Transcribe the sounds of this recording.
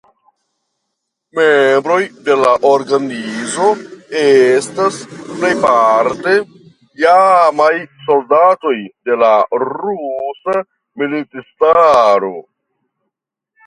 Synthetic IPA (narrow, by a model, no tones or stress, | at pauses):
membɾo̞jde̞laʔoɾɡanizo̞estasplejpaɾte̞ | jamajso̞ldato̞jde̞laɾusa | militistaɾo̞